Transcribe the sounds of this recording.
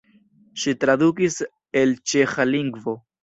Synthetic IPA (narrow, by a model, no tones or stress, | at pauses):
ʃitɾadukis | e̞lt͡ʃe̞xaliŋɡvo̞